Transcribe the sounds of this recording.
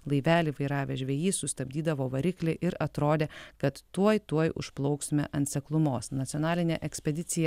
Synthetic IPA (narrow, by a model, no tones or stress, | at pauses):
lˠɐɪʋʲæːlʲiʋɐɪɾɑːʋʲeːʒʲʋʲɛːjiːsʊsʲt̪ɐbʲd̪ʲiːd̪ɐʋoːʋɐɾʲɪklʲeʔɪɾɐt̪ɾoːd̪ʲeːkɐt̪ːuɔjt̪uɔjʊ̰ʃplˠɒʊksʲmʲḛːʔɐnʲt̪ʲsʲɛklˠʊmoːsnɐt̪ʲɪɔnɑːlʲɪnʲeʔɛksʲpʲɛd̪ʲɪt̪sʲɪjɛ